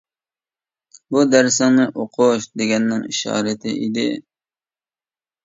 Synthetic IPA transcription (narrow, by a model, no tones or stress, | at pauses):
bud̪æɾsɑŋnɨʔoqʰʊʃd̪eɡʲɛnːɪŋiʃɑ̰ːɾɨt̪ʰɪ̰ʔid̪ɪ